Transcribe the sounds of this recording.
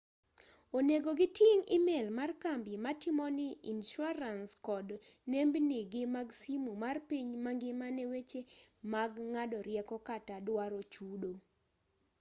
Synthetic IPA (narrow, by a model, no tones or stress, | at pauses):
oneɡoɡɪtjɪŋɪmelmarkambɪmatimɔnɪinʃʊaɾanskɔdnembnɪɡɪmaɡsimumarpiɲmaŋɡɪmanɛwet͡ʃemaɡŋadɔɾjɛkɔkatadwaɾot͡ʃudo